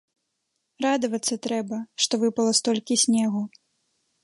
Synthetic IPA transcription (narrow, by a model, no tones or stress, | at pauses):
rad̪ɐvɐt̪sːɐt̪ɾɛbɐʂt̪ɔvɨpɐlˠɐst̪ɔlʲkʲisʲnʲɛɣu